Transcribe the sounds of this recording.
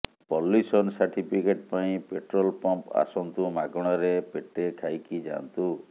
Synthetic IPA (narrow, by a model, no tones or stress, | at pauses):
pɔlːisɔnsaɾʈipʰikeʈpaĩpeʈɾɔlpɔmpa̰sɔnt̪umaɡɔɽ̃ɔɾepeʈekʰajkid͡ʒa̰nt̪u